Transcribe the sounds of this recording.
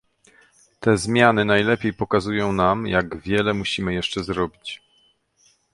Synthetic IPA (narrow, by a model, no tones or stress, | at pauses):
t̪ɛzmʲjanɘnajlɛpʲjejpɔkazujɔ̃w̃namjaɡvʲjɛlɛmuɕimɘjɛʂt͡ʂɛzɾɔbʲit͡ɕ